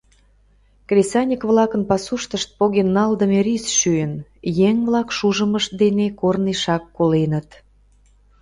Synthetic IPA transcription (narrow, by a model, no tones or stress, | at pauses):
krʲesɑnʲikβlɑkənpɑsuʃt̪əʃt̪̚poɣenːɑld̪əmeɾisʃyjənjeŋβlɑkʃuʒəməʃt̪̚d̪enekorniʃɑkːolenət̪